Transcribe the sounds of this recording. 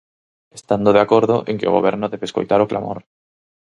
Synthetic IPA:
e̥st̪and̪oðeakoɾðʊʔeŋkɪo̰ɣo̰βɛɾnʊðeβesko̰jt̪aɾʊkla̰mo̰ɾ

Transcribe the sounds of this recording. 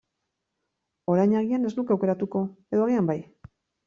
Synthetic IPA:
o̞ɾajɲaɣiane̞znukawke̞ɾat̪uko̞e̞ðoaɣ̞iambaj

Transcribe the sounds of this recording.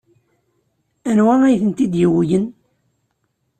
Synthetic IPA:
ænwæʁæjθənt̪id̪jiwjən

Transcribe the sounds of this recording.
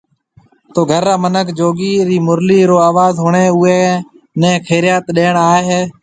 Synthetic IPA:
t̪oːɡʱəɾːaːmənəkʰd͡ʒoːɡiːɾiːmʊɾliːɾoːaːʋaːzɦʊːɳeːʊeː | nɛ̃ːkʰeːɾɪjaːt̪ɗeːɳaːeɦeː

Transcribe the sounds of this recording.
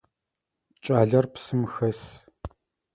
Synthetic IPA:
t͡ʃʼaːɮɐrpsɨmxɐs

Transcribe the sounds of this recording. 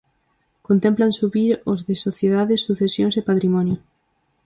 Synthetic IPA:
kont̪ẽmplansuβiɾozðɪsoθjeðaðɪsːuθesjoŋsɪpat̪ɾimɔnjo

